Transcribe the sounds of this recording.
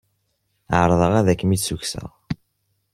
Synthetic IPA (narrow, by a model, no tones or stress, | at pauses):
ʕəɾˤðˤəʁæðækːəmit͡ssuçsæ̰ʁ